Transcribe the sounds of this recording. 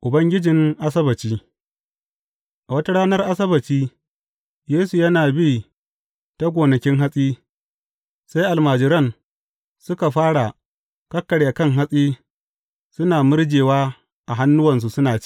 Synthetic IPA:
ʔʊ˨bɐ˦ŋɡʲɪ˦d͡ʒɪ˨ŋʔa˦sɐ˦bɐ˨t͡ʃiː˦ | ʔa˨wɐ˦ta˦ɽaː˦nɐ˦rʔa˦sɐ˦bɐ˨t͡ʃiː˦ | jeː˦su˨jɐ˦naː˨biː˦˨ | ta˦ɡʷoː˨nɐ˨kʲɪ˦ŋɦa˦sʼiː˦ | sa˦jʔa˨lmaː˨d͡ʒɪ˨ɾɐ˦˨ŋ | sʊ˦ka˨ɸaː˦ɽa˨ | kɐ˦kːɐ˨ɽeː˨kɐ˦ŋɦa˦sʼiː˦ | sʊ˦naː˨mʊ˦rd͡ʒeː˨waː˦ | ʔa˨ɦa˦nːʊ˦wɐ˨ns̬u˨sʊ˦naː˨t͡ʃ

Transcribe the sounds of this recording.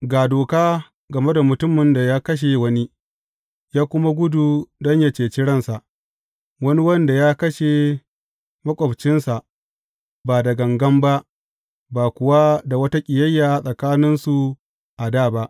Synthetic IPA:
ɡaː˨doː˨kaː˦ | ɡɐ˨me˦da˨mʊ˨tʊ˦mɪ˨nda˨jaː˦kɐ˦ʃ̬e˨wɐ˦ni˦ | jaː˦kʷʊ˦ma˦ɡʷʊ˦du˨dɔ˦ɲja˦t͡ʃeː˨t͡ʃɪ˦ɽɐ˦˨nsa˨ʔ | wɐ˦ni˦wɐ˦nda˨jaː˦kɐ˦ʃe˨ | mɐ˦kʷʼɔ˨bt͡ʃɪ˦nsa˨ʔ | baː˨da˨ɡɐ˨ŋɡɐ˦mba˦ʔ | baː˨kʷʊ˨wa˦da˨wɐ˦ta˦kʲʼɪ˨jɐ˦jːaː˨sʼɐ˨kaː˦nɪ˦nsu˨ | ʔa˨daː˦˨ba˦ʔ

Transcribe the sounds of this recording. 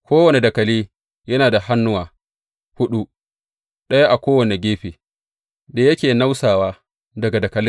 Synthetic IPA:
kʷoː˦wɐ˨ne˨dɐ˨kɐ˨liː˦ | jɐ˦naː˨da˨ɦa˦nːʊ˦waː˨ | hʊ˦ɗu˦ | ɗɐ˦ja˦ʔa˨kʷoː˦wɐ˨ne˨ɡʲeː˦ɸiː˨ | da˨jɐ˦kʲeː˨na˦wsaː˨waː˦ | dɐ˨ɡa˨dɐ˨kɐ˨lɪ˦

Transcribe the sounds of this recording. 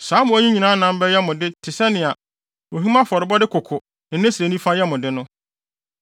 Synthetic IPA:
saː˨˦mʊ̃˨æ˦ɲĩ˦ɲĩ˨nã˨˦nã˨m̩˦bɛ˦jɛ˦mʊ̃˨dɪ˦tʰɪ˨sɛ˦nɪ̃˨a˨ | o˨ɦĩ˦mã˦fɔ˨ɾɪ˨bɔ˦dɪ˦kʰʊ˨kʰʊ˨ | nɪ̃˨nɪ̃˦se˨nĩ˦fa˦jɛ˦mʊ̃˨dɪ˦nʊ̃˦

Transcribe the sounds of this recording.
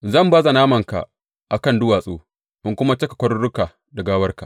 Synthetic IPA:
zɐ˦˨mbaː˦za˨naː˦mɐ˨ŋka̰˨ | ʔa˨kɐ˦˨ndʊ˦waː˨sʼo̰ː˦ | ʔɪ˦ŋkʷʊ˦ma˦t͡ʃɐ˦kḁ˨kʷɐ˦ɽʊ˦ɽʊ˦kaː˨ | dɐ˨ɡaː˦wɐ˦rka˨

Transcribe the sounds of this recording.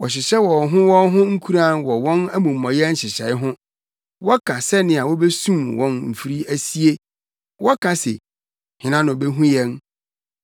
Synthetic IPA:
wɔ˨ɕ̬ɪ˨ɕɛ˦wɔ˨ɦʊ̃˦wɔ̃˦nɦʊ̃˦ŋ̩˦kʰu˦ɾa˦˨nwɔ˨wɔ̃˦næ˦mũ˨mː˨ɔ̃˨jɛ˦n̩˦ɕɪ˨ɕɛ˨˦ɪ˦ɦʊ̃˦ | wɔ˦kʰã˨sɛ˦nɪ̃˦˨a˨wɔ˦be˦sũ˦mwɔ̃˦nm̩˨fi˦ɾi˦æ˦si˦e˦ | wɔ˦kʰã˨sḛ˨ | hɪ̃˨nã˦nʊ̃˨be˦ɦũ˦jɛ̃˦n

